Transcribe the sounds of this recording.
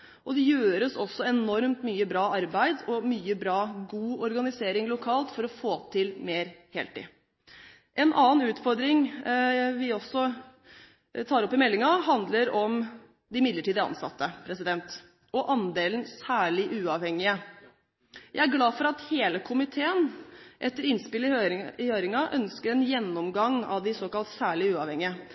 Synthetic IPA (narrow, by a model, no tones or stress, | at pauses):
ʔɔd̪ɛjøːɾəsɔsːɔɛnɔɾmt̪myːəbɾɑːʔɑɾbæɪd̪ɔmyːəbɾɑːɡuːɔɾɡɑnɪseːɾɪŋlʊkʰɑːlt̪fɔɾɔfoːt̪ʰɪlmeːɾhḛːlt̪ɪ̰ː | ʔɛnʔɑːnnʉːt̪fɔɾd̪ɾɪŋ | ʋɪɔsːɔ | t̪ʰɑːɾɔpːɪmɛlːɪŋɑɦɑnd̪ləɾɔm | d̪ɪmɪd̪ləʈʰiːd̪əɾɑ̰nsɑ̰t̪ːəpʰɾɛsɪd̪ɛnt̪ | ɔʔɑnd̪eːlnsæːɭɪʔʉːɑʋhɛŋːɪə | jæɪæɾɡlɑːfɔɾɑt̪heːləkʰʊmɪt̪ʰeːənʔɛt̪ːəɾɪnspɪlɪhøːɾɪŋɑʔœnskəɾɛnjɛnːɔmɡɑŋːɑ̰ʋd̪ɪsoːkɑlt̪sæːɭɪʉːɑʋhɛŋɪə